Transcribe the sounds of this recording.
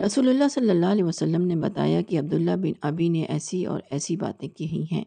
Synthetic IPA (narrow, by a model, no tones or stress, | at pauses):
ɾɐsuːlʊlːasɐlːəlːalɛʋɐsɐlːəmnebɐ̰t̪a̰ːjakiɐb̚d̪ʊlːabɪnɐbineʔɛ̰ːsiɔ̰ːɾɛːsiba̰ːt̪ẽkiɦĩɦɛ̰̃ː